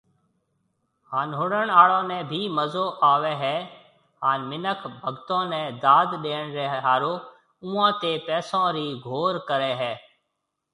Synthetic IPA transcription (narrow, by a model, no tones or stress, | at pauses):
haːnɦʊɽəɳaːɭõːnɛ̃ːbʱiːməzoːʔaːʋɛːɦɛː | ɦaːnmɪnəkʰbʱəɡt̪õːnɛ̃ːd̪aːd̪ɗeːɳɾeɦɦaːɾoː | ʊ̃ːãːt̪eːpɛːsõːɾiːɡʱoːɾkəɾɛːɦɛː